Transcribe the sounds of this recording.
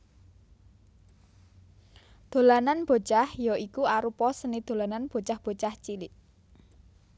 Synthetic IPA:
d̪̥o̤lananb̥o̤t͡ʃahjɔikuaɾupɔsənid̪̥o̤lananb̥o̤t͡ʃahb̥o̤t͡ʃaht͡ʃilɪʔ

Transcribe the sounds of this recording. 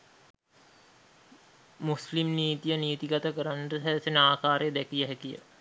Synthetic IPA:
muslimniːt̪ijəniːt̪iɡat̪əkəɾanʈəsæːsenəaːkaːɾejəd̪ɛkijəɦɛkijə̰

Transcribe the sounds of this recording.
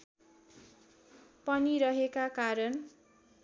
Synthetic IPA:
pʌniɾʌɦekakaɾʌn

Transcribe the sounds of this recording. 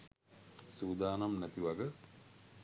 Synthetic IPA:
suːd̪aːnamnæt̪iʋaɡə

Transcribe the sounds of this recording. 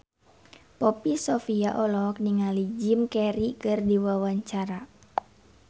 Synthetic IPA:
pɔpisɔfiaʔɔlɔk̚niŋalid͡ʒimkɛɾikɨrdiwawaɲt͡ʃaɾa

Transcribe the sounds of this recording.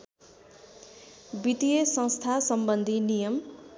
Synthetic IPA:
bit̪ijesʌ̃ŋst̪ʰasʌmbʌnd̪ʱinijʌm

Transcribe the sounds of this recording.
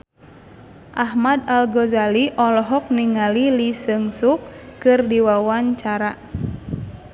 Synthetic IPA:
ʔaɦmad̪alɡɔzaliʔɔlɔɦɔk̚niŋalilisɨŋsukːɨrdiwawaɲt͡ʃaɾa

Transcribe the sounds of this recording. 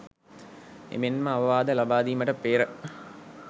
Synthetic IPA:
ḛmenmɐːʋɐʋaːd̪ɐlɐbaːd̪iːmɐʈɐpːeːɾə

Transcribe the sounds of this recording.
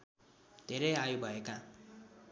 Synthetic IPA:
d̪ʱeɾʌjajubʱʌeka

